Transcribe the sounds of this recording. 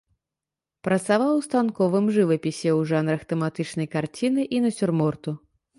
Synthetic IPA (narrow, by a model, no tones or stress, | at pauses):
pɾɐt̪savawst̪ankɔvɨmʐɨvɐpʲisʲɛwʐanɾɐxt̪ɛmat̪ɨt͡ʂn̪ɐjkart͡sʲinɨʔinɐsʲurmɔrt̪u